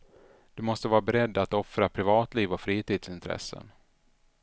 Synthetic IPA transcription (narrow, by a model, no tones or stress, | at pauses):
d̪̥ɵmɔst̪əvɑːɾabɛɾɛd̪ːat̪ɔfɾapʰɾɪvɑːt̪liːvɔfɾiːt̪iːd̪sɪnt̪ʰɾɛ̰sːə̰n